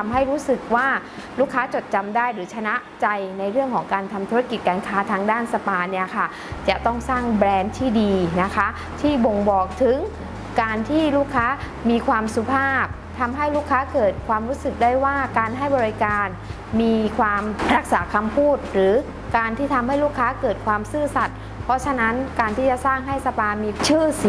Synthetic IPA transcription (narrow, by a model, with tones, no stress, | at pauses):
a˧mɦa˥˩jɾuː˦˥sɯ˨˩k̚waː˥˩luː˥˩kʰːaː˦˥t͡ɕo˨˩t̪̚t͡ɕa˧mdaː˥˩jɾɯː˩˦t͡ɕʰa˧na˦˥ʔt͡ɕa˧jna˧jɾɯ˥˩əŋkʰɔː˩˦ŋkaː˧nt̪ʰa˧mt̪ʰu˦˥a˧ki˨˩t̪̚kaː˧nkʰaː˦˥t̪ʰaː˧ŋdaː˥˩nsa˧paː˧ni˥˩ɐkʰa˥˩ | t͡ɕa˨˩t̪ɔ˥˩ŋsaː˥˩ŋbɾɛː˧nt̪ʰiː˥˩diː˧na˦˥kʰa˦˥ | t̪ʰiː˥˩bo˧ŋbɔː˨˩k̚t̪ʰɯ˩˦ŋ | kaː˧nt̪ʰiː˥˩luː˥˩kʰːaː˦˥ | miː˧kʰwaː˧msu˨˧˦pʰaː˥˩p̚ | t̪ʰa˧mɦa˥˩jluː˥˩kʰːaː˦˥kɤː˨˩t̪̚kʰwaː˧mɾu˦˥sɯ˨˩k̚da˥˩jwaː˥˩kaː˧nɦa˥˩jbɔː˧ɾi˧kaː˧n | miː˧kʰwaː˧mɾa˦˥k̚saː˩˦kʰa˧mpʰuː˥˩t̪̚ɾɯː˩˦ | kaː˧nt̪ʰiː˥˩t̪ʰa˧mha˥˩jluː˥˩kʰːaː˦˥kɤː˨˩t̪̚kʰwaː˧msɯː˥˩sa˨˩t̪̚ | pʰɾɔ˦˥t͡ɕʰa˧na˦˥nkaː˧nt̪ʰiː˥˩t͡ɕa˨˩saː˥˩ŋɦa˥˩jsa˧paː˧miː˧t͡ɕʰɯː˥˩si˨˩